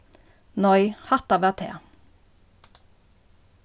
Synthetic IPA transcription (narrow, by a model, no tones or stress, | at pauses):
nɔʏhɑt̪ɑʋæt̪ʰḛː